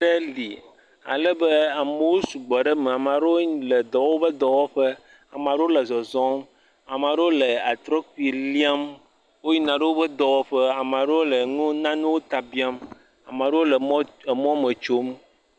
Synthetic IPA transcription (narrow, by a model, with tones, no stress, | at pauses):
ɖe˦li˨ | a̰˨lɛ˦be˦a˨me˨wo˦su˨ɡ͡bɔ˨ɖe˦me˨a˨m˨ã˨ɖe˦o˦ɲ˦le˨d̪ɔ˨wo˦bə˦d̪ɔ˨wɔ˦ɸe˦ | a˨m˨ã˨ɖe˦wo˦le˨zɔ˨zɔ̃˦m | a˨m˨ã˨ɖe˦wo˦le˨a˨t̪ɾɔ˦ki˨li˦a˦m | wo˦ɲi˦nã˨ɖe˦wo˦bə˦d̪ɔ˨wɔ˦ɸe˦a˨m˨ã˨ɖe˦wo˦le˨ŋũ˦nã˦nũ˦wo˦t̪a˨bi˦a˦m | a˨mã˨ɖe˦wo˦lɔ˦˨mɔ̃˦me˨t͡ʃo˦m